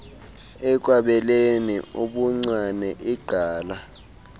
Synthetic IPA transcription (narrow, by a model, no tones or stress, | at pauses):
ɛk̬ʼwaɓɛleniuɓuŋ͡ǀwanɛʔiɡ͡ǃʱaːla